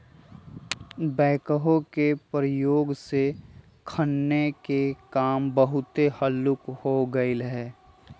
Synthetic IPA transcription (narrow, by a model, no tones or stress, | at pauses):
bɛːkəɦõkepɾəjoːɡse | kʰənːekekaːmbəɦʊt̪ehəlːʊkhoɡəɪlɦɛː